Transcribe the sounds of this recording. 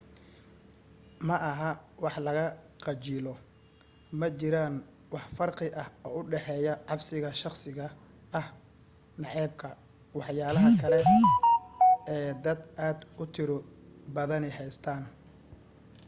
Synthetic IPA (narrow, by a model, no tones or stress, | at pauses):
mɐʔɐɦɐwɑħlɐɣɐ | qɑt͡ʃɪlɔ | mɐt͡ʃɪɾaːn | wɑħfɐrqɪʔɐhɔːʊɖɛħɛːjɐʕɑbsɪɣɐʃɑχsɪɣɐː | h | nɑʕɛːb̚kʰɐ | wɑħjaːlɐɦɐkʰɐlɛ | ɛːd̪ɐd̪aːd̪ʊt̪ʰɪɾɔ | bɐðɐnɪɦɛjst̪ʰaːn